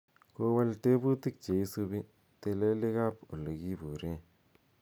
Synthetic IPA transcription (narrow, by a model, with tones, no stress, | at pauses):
ko˦wa˦lte˦bu˦ti˦k̚t͡ʃe˨i˦su˦bi˦ | te˨le˦lɪ˦ka˦po˨lo˨ɡi˦bu˨ɾe˦